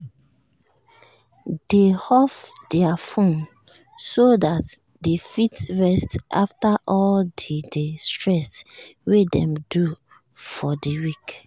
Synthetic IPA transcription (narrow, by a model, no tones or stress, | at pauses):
d̥ehɔfdɛafõn | sodat | defitsɹɛstʔa̰ftaʔɔldidestɹɛstwedɛ̰̃mdu | fɔdiwik